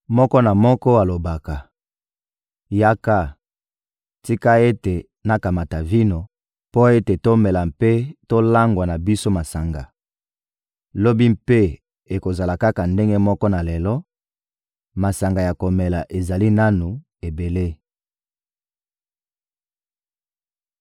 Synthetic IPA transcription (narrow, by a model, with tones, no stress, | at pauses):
mɔ˦kɔ˦na˨mɔ˦kɔ˦a˨lo˨ba˨ka˨ | ja˦ka˦ | ti˦ka˦e˦te˨ | na˨ka˨ma˨ta˨vi˦no˨ | po˦e˦te˨to˦mɛ˨la˨mpe˦to˦la˦ŋɡwa˨na˨bi˦so˦ma˨sa˨ŋɡa˨ | lo˦bi˦mpe˦ | e˨ko˨za˨la˨ka˦ka˨nde˦ŋɡe˦mɔ˦kɔ˦na˨lɛ˨lɔ˦ | ma˨sa˨ŋɡa˨ja˨ko˨mɛ˨la˨ʔe˨za˨li˦na˦nu˨ | e˨be˨le˦